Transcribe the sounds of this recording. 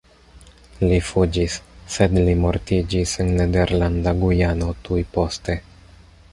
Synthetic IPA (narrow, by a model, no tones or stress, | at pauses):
lifud͡ʒisːe̞dlimo̞ɾtid͡ʒisenːede̞ɾlandaɡujano̞tujpo̞ste̞